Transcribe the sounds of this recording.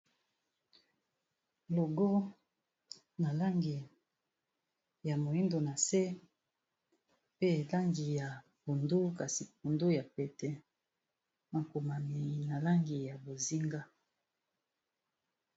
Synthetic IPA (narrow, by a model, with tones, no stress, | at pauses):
lo˨ɡɔ˦ | na˨la˦ŋɡi˨ | ja˨mo˨i˦ndo˨na˨se˦ | pe˦˨la˦ŋɡi˨ja˨ | pu˨ndo˦ka˨si˨p̚u˨ndo˦ja˨pɛ˨tɛ˨ | ma˨ko˨ma˨mi˨na˨la˦ŋɡi˨ja˨bo˨zi˦ŋɡa˦